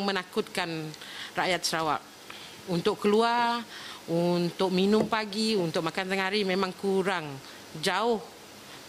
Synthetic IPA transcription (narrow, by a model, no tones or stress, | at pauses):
ŋmənakʊt̪̚kanrajat̪̚səɾawa̰p̚ | unt̪ʊʔkːəluarunt̪ʊk̚minʊmpaɡiunt̪ʊk̚makant̪əŋɦaɾimemaŋkuɾaŋ | d͡ʒaʊh